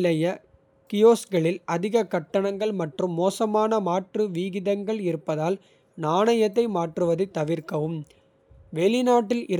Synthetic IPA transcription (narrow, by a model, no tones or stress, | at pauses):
lɐjɐ | kɪjoːsɡɐɭɪlɐðɪɣɐkːɐʈːɐɳɐŋɡɐɭmɐʈrɯmːoːsɐmaːnɐmaːʈrɯʋiːɣɪðɐŋɡɐɭɪɾɯpːɐðaːl | naːɳɐjɐt̪̬ːɐɪmaːʈrɯʋɐðɯt̪ːɐʋɪɾkɐʋɯm | ʋeːɭɪnaːʈːɪlʔɪɾ